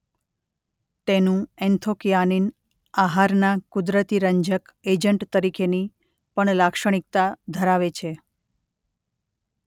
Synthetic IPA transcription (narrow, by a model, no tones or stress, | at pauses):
t̪enũɛnt̪ʰokijanin | aɦaɾnakud̪ɾət̪iɾəɲd͡ʒəked͡ʒəɳʈt̪əɾikʰeni | pəɳlakʃəɽ̃ik̚t̪ad̪ʱəɾaʋet͡ʃʰe